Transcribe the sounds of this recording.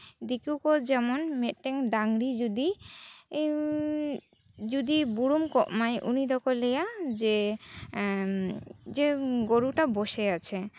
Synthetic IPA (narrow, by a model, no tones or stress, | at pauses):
d̪ikuwkod͡ʒɛmɔnmet̪̚ʈeŋɖaŋɽid͡ʒud̪i | d͡ʒud̪ibuɽumkɔʔmajʔunid̪ɔkɔlɛjad͡ʒe | d͡ʒeɡoɾuʈaboʃeat͡ʃʰe